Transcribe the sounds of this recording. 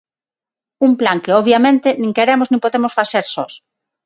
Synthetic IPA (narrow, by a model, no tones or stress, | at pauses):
umplaŋkeoβ̞jamẽnt̪enĩŋkeɾemoznĩmpoðemosfaθeɾsɔs